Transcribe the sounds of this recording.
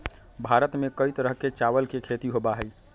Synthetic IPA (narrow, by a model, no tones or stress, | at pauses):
bʱaɾət̪mekəijt̪ɾəɦket͡ʃaʋəlkekʰet̪iɦobaɦəj